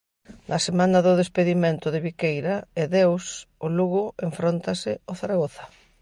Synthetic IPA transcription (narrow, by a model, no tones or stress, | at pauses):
nɐsemanɐðʊðespeðimẽnt̪ʊðɪβikejɾaeðewsʊluɣʊeɱfɾont̪asɪoθaɾaɣoθɐ̥